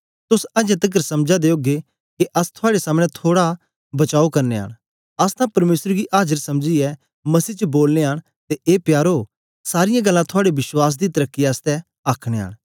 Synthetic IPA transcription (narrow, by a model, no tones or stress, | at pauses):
t̪ʊsɐd͡ʒẽt̪ɐk̬əɾsɐmd͡ʒad̪eoːɡe | keʔɐst̪ʰʊaːɽesaːmɽ̃ɛt̪ʰoːɽa | bɐt͡ʃaːokɐɾneɦa̰ːɽ̃ | ɐst̪ʰãpɐɾmeːsəɾɡiʔaːd͡ʒəɾsɐmd͡ʒiɛ | mɐsiːt͡ʃəboːlneɦaːɽ | t̪eʔeːpjaːɾo | saːɾɪjãɡɐlːãt̪ʰʊaːɽeʋɪswaːs̬d̪it̪ɐɾəkːiaːst̪ɛ | aːkʰɽ̃eɦa̰ːɽ̃